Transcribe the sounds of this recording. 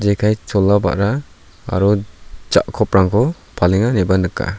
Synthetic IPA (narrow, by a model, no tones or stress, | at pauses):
d͡ʒejkʰajt͡ʃɔlːaba̰ʔɾa | a̰ɾɔd͡ʒa̰ʔkʰɔp̚ɾaŋkʰɔ | pʰaliŋanebanɯkːa̰